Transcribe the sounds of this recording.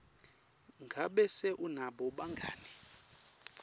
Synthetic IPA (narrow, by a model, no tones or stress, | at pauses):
ŋɡʱaɓɛsɛʔunaɓɔɓaŋɡʱa̰ːni